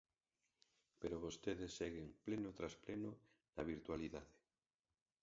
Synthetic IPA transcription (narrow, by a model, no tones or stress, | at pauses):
peɾoβost̪eðesːeɣeŋplenot̪ɾaspleno | naβ̞iɾt̪waliðaðe